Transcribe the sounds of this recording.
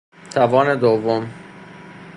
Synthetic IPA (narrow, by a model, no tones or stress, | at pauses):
t̪ʰævɒːned̪ovːom